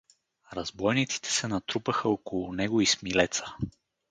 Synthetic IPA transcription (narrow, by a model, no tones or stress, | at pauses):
ɾɐzbɔjnit̪si̥t̪ɛ̥sɛnɐt̪ɾupəxəokolˠʊnɛɡoismilɛt̪sə̥